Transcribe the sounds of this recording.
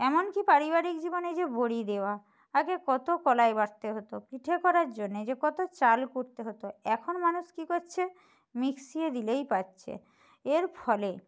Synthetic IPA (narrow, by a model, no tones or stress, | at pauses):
ɛmonkipaɾiβaɾikd͡ʑiboned͡ʑeboɽid̪eoa | aɡekɔt̪okɔlaebaɾt̪eɦot̪opiʈʰekɔɾaɾd͡ʑonːed͡ʑekɔt̪ot͡ɕalkoɾt̪eɦot̪oɛkʰonmanuʃkikoɾt͡ɕʰe | miksied̪ilejpatːɕʰḛ | eɾfʰɔle